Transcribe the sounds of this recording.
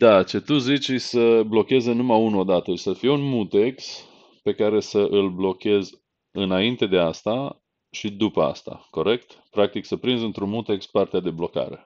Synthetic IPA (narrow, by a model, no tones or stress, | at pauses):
d̪at͡ʃe̞t̪uzit͡ʃsəblo̞kʲezənumaunod̪at̪əi̥səfijeunmut̪e̞ks | pe̞kaɾe̞səʔɨlblo̞kʲe̞z | ɨnaint̪e̞d̪e̞ast̪a | ʃid̪upəa̰st̪a̰ko̞ɾe̞kt̪pɾakt̪iksəpɾinzɨnt̪ɾunmut̪e̞kspart̪ead̪e̞blo̞ka̰ɾḛ